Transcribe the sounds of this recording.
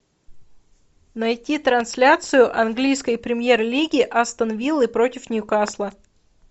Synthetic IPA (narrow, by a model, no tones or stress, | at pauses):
nɐjtʲit̪ɾɐnsʲlʲat̪sɨjʊʔɐnɡlʲijskəjpɾʲɪmʲje̞rlʲiɡʲɪʔɐst̪ənvʲilˠɨpɾotʲɪfnʲjʊkaslˠə